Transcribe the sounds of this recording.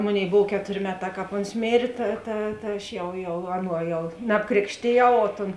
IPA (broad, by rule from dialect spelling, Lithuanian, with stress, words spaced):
ˈmoːˌnʲeːɪ ˈboːw ˈkʲæːtoːrʲeː ˈmʲæːˌtɑː ˈkɑːp ˈoːns ˈmʲeːrʲeː ˈtɐ tɐ tɐ ˈɐʃ ˈjɛʊ jɛʊ ˈɑːˌnuɔ ˈjɛʊ nɐpˈkrʲeːkʃʲtʲeːˌjɛʊ oː toːn